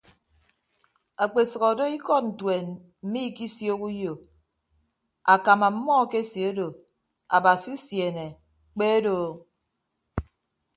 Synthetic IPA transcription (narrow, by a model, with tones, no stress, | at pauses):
a˨k͡pe˨sɔ˨ɣɔ˨do˦i˦kɔ˦n̩˨twe˨n | m̩˨˦mi˦ki˦sjo˦ku˦jo˨ | a˨ka˨ma˨m̩˦mɔ˦ke˦sje˨o˦do˨ | a̰˨ba˨si˦sje˨ne˨ | k͡pe˦do˨